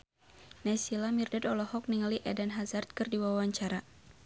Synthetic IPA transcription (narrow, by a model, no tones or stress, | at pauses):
nɛsilamirdadɔlɔhɔk̚niŋaliʔɛdɛnɦazart̪̚kɨrdiwaaɲt͡ʃaɾa